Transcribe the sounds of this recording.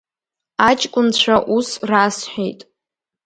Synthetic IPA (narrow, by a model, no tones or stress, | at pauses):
at͡ʃʼkʷʼʊnt͡ɕʷʰaʔusrasħʷᶣejtʼ